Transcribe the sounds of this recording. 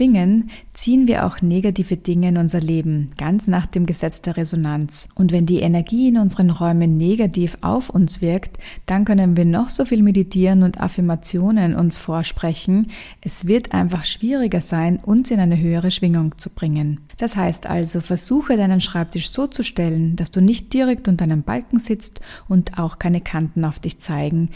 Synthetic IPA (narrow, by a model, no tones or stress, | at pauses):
v̥ɪŋənt͡siːənviːɐʔa̰ʊxneɡatiːvəd̥ɪŋəɪnʊnzɐleːbm̩ɡ̥ant͡snaːχd̥eːmɡəzɛt͡sd̥eːɐʁezonant͡sʔʊntvɛndiːʔenɛɐɡiːɪnʊnzəʁənʁɔʏmənːeɡatiːfa̰ʊfʊnsv̥ɪɐktd̥ankœnənviːɐnɔχz̥oːfiːlmeditʰiːʁənʊntʰa̰fɪɐmat͡sjoːnənʔʊ̰nsfoːɐʃpʁ̥ɛçn̩ʔɛsv̥ɪɐtʰʔa̰ɪnfaχʃv̥iːʁ̞ɪɡɐzaɪnʔʊnsɪnaɪnəɦøːəʁ̞əʃv̥ɪŋʊŋt͡sub̥ʁɪŋənd̥ashaɪstʔa̰lzofɛɐzuːxədaɪnənʃʁ̥aɪp̚tʰɪʃz̥oːt͡suʃtɛlənd̥asd̥uːnɪçt̚d̥iʁɛktɪndaɪnəmba̰lkŋ̩zɪt͡stʊntʰaʊxkʰaɪnəkʰantn̩aʊfd̥ɪçt͡saɪɡŋ̩